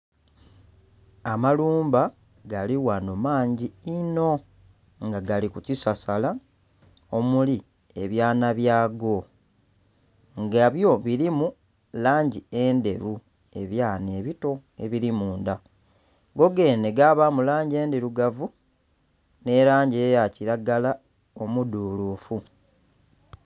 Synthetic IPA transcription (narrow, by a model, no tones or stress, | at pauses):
amaluːmba | ɡaliwanomaːɲɟiino̞ | ŋɡaɡalikucisasala | omuli | eβjaːnaβjaːɡo̞ | ŋɡaβjo̞βiɾimu | laːɲɟie̞ːnde̞ɾu | e̞̰βjaːneβito̞e̞̰βiɾimuːnda | ɡo̞ɡe̞ːne̞ɡaβamulaːɲɟe̞ːnde̞ɾuɡavu | ne̞ɾaːɲɟe̞ːjaciɾaɡala | o̞muduːluːfu